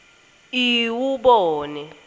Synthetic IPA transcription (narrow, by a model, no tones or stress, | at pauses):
iwuɓɔːnɛ